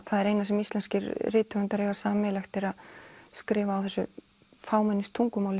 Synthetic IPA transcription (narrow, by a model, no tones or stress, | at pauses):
θaðɛɾejnasɛmist̪lɛnscɪɾrɪːt̪ʏmʏnt̪aɾeːɣvasaːmɛlaxt̪ɪɾaðskɾɪːvaawθɛsːʏ | faːwmɛnːɪst̪ʰuŋkʏmaːwlɪ